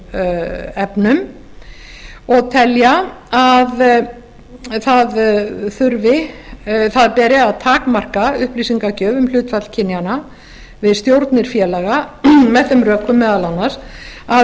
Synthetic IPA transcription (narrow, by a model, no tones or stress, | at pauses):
ɛpnʏm | ɔɣt̪ʰɛljaað | θaðθʏɾvɪ | θaðpɛːɾɪaðt̪ʰaːkmar̥kaʏhplisiŋkacœːvʏml̥ʏːt̪fat̪l̥cʰɪnːjana | vɪðst̪jowɾt̪nɪɾ̥fjɛːlɛɣamɛðθʏmrœːkʏmːɛːðalanːaɾa